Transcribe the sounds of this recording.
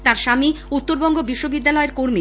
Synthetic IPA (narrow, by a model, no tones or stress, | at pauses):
t̪aɾʃamiut̪ːoɾbɔŋɡobiʃːobid̪ːalɔeɾkoɾmi